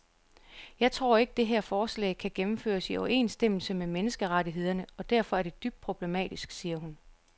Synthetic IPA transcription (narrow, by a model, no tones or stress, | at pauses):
jɑ̈ɪt͡sʰʁo̝ɐ̰e̝ɡ̥əd̥e̝ɦeɐ̰fɒːslɛ̰ɪkʰæɡ̥emm̩fø̰ːɐsiɒʊe̝̰ːnsd̥em̰l̩səmemenəsɡ̥əʁaɾiɦe̝ð̞̰ˠɐnəɒ̽d̥æɐ̰fɒ̽æɐd̥e̝d̥yb̥̚d̥̚pʰʁo̝b̥le̝mɛ̰ːd̥isɡ̥siːɐɦun